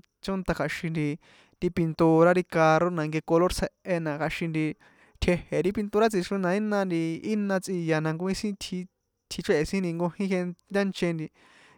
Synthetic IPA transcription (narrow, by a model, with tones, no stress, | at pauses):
t͡ʃo˦nt̪a˧kʰa˧ʃĩ˧nd̪i˧ | t̪i˧pi˧nt̪u˧ɾa˦ɾi˧ka˧ɾo˦nã˧ŋɡe˧ko˧lo˦ɾt͡sʰe˧ʔʔe˧nã˧ka˧ʃĩ˧nd̪i˧ | t̪ʰe˧he˨ɾi˦pi˧nt̪u˧ɾa˦t͡si˧t͡ʃũ˧˦nã˧i˦nã˧nd̪i˧i˦nã˧t͡si˧ja˧nã˧ŋɡu˧ĩ˦sĩ˦t̪ʰi˧ | t̪ʰi˧t͡ʃe˦˨˧sĩ˦ni˧ŋɡõ˧hĩ˦ɦe˧ndʲa˦nt͡ʃẽ˧nd̪i˧